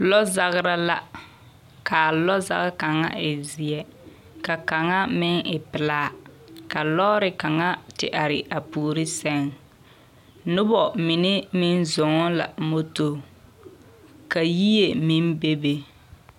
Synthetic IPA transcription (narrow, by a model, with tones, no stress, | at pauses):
lɔ˦za˦ɣɪ˦ɾa˦la˨ | kʰaː˨lɔ˦za̰˦ɣɪ˦ka˨ŋa̰˦ɪ˨zɪ˨ɛ˨ | ka˨ka˨ŋa˦mɪ˦ŋɪ˨pɪ˨laː˦ka˨lɔː˦ɾɪ˨ka˨ŋa˦tɪ̰˦ʔa˨ɾɪ̰˨ʔa˨puː˨ɾɪ˦sɛ˦ŋ | nʊ˦bɔ˨mɪ˨nɪ˦mɪ˦nzʊ˨ŋɔ˦la̰˨mo˦to˨ | ka˨ji˦je˨mi˦nbe˦be˦